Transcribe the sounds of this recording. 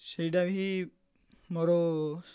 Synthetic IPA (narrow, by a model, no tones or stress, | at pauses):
sejʈabɦi | moɾɔ